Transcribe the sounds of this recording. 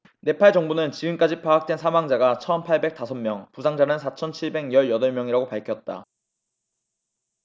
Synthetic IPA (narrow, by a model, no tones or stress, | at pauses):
ne̞pʰaɭd͡ʑʌŋbunɯnt͡ɕiɯnk͈ad͡ʑipʰaak̚t͈wensʰamaŋd͡ʑaɡat͡ɕʰʌnpʰaɭbe̞k̚s͈asʰʌmmjʌŋpusʰaŋd͡ʑanɯnsʰat͡ɕʰʌnt͡ɕʰiɭbe̞ɡjʌɭjʌdʌɭmjʌŋiɾaɡopaɭkʰjʌt̚t͈a̰